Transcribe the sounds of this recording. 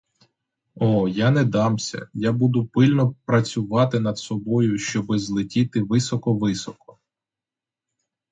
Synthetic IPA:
ɔjanɛd̪ɑmsʲɐ̰jabud̪ʊpɪlʲnɔpɾɐt͡sʲʊʋɑt̪ɪnɐd̪sɔbɔjʊʃt͡ʃɔbɪzlˠɪtʲit̪ɪʋɪsɔkɔʋɪsɔkɔ̥

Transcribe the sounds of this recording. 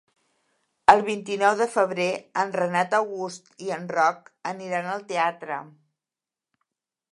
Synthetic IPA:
əlˠβ̞int̪inɔwðəfəβ̞ɾeənrənat̪əwɣust̪iənrɔkəniɾanəlˠt̪eat̪ɾə̰

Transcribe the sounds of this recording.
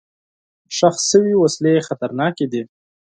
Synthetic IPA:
ʃaxsːəwiwaslexat̪aɾnɑked̪i

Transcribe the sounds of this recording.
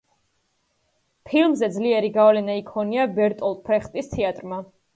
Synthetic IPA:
pʰilmzɛd̪zliɛɾiɡavlɛnaikʰɔniabɛɾt̪ʼɔlˠpʰɾɛχt̪ʼist̪ʰɛat̪ʼɾma

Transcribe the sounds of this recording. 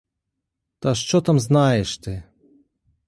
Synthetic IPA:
t̪aʂt͡ʃɔt̪amznajɛʂt̪ɪ

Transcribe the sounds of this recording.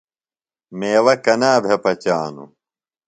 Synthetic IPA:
meːwɐkɐnaːbʱepɐt͡ɕaːnṵ

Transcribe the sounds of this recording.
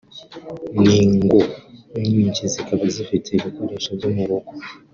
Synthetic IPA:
niːŋɡoɲiːɲcizikaβazifitʰiɾekuɾiʃoɡumuɾoɡo

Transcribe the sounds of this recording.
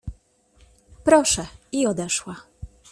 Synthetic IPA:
pɾɔʂɛiɔd̪ɛʂwa

